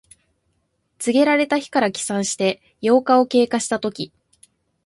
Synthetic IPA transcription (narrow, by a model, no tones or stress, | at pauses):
t͡sɨɡʲe̞ɾaɾe̞t̪açi̥kaɾakʲi̥sãɰ̃ɕi̥t̪e̞ | jo̞ːkao̞ke̞ːkaɕi̥t̪at̪o̞kʲi